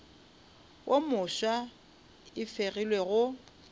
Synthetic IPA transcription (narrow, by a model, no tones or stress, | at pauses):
wʔomʊʃwa | ɪfeɣilweɣʊ